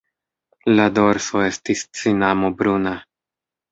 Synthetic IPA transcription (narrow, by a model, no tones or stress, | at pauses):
lado̞ɾsoe̞stist͡sinamobɾuna